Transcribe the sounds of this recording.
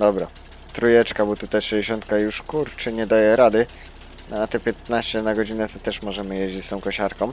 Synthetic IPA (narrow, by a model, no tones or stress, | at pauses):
d̪ɔbɾa | t̪ɾujɛt͡ʂkabut̪ut̪ajt̪ʂɛd͡ʑeɕɔnt̪kajuʂkuɾt͡ʂɘɲɛd̪ajɛɾad̪ɘ | nɔat̪ɛpʲjɛt̪̚naɕt͡ɕɛnaɡɔd͡ʑinɛt̪ɔt̪ɛʂmɔʐɛmɘjeʑd͡ʑet͡ɕʲst̪ɔ̃w̃kɔɕaɾkɔ̃w̃